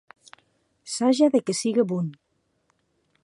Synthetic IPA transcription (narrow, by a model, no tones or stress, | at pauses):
saʒaðekesiɣeβun